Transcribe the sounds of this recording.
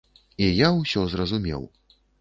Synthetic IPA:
ijawsʲɔzrɐzumʲɛ̰w

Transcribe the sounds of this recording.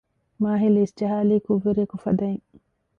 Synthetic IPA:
maːɦilisd͡ʒɐɦaːliːkuʋːeɾekufɐ̰d̪ɐiŋ

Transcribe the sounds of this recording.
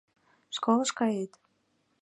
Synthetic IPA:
ʃkoləʃkɑjet̪

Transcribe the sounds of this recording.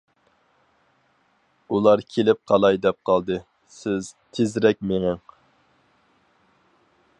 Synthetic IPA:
ulˠɑɾkʲʰelɪp̚qʰɑlˠɑjd̪ɛp̚qʰɑlˠd̪ɨ | sɪz̥t̪ʰezɾɛk̚ʲmeŋɪŋ

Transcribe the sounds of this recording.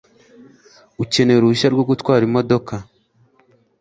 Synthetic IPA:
uce̞ne̞ɾuʃaɾɡoɡutwaːɾimo̞do̞ka

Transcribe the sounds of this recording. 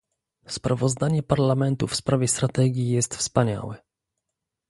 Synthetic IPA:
spɾʔavɔzd̪aɲɛpaɾlamɛnt̪ufspɾavʲjɛst̪ɾat̪ɛɡʲjijɛst̪fspaɲa̰wɛ

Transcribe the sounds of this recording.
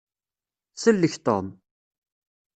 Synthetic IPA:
səlːəçt̪ˤo̰m

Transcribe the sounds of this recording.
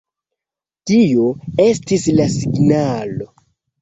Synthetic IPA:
tijo̞e̞stislasiɡnalo̞

